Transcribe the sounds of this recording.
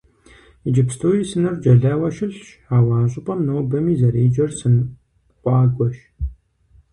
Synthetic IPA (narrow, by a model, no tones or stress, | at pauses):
id͡ʒɪpstʰoːjisɨnɐrd͡ʒɐɮɐːwɐʃɪɬʃħaːwaːnɕʼʊpʼɐmnoːbɐmiːzɐɾeːd͡ʒɐrsɨn | qʷɑːɡʷɔʃ